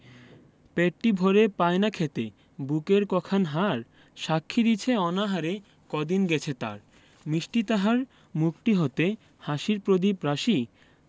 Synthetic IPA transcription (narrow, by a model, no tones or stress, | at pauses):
peʈʈibʱoɾepajnakʰet̪e | bukeɾkɔkʰanɦaɾ | ʃakʰːid̪it͡ɕʰeɔnaɦaɾe | kɔd̪inɡɛt͡ɕʰet̪a̰ɾ | miʃʈit̪aɦaɾ | mukʈiɦot̪e | haʃiɾpɾod̪ipɾaʃi